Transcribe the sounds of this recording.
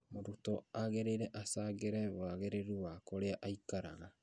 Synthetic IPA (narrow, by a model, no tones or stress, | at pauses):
moɾutɔaɣeɾeɾɛʔasaːɣeɾɛβaɣeɾeɾuwakoɾeaʔaikaɾa̰ɣa